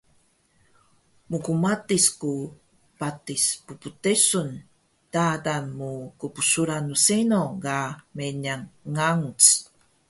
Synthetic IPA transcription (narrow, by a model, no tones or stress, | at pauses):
mukumatisku | patispuputesun | d̥adanmukupusuɾanːusenoɡameɲaŋːaŋut͡s